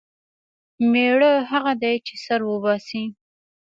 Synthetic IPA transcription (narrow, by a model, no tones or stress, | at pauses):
meɽəɦaɣad̪ajt͡ʃesaɾwəbɑsi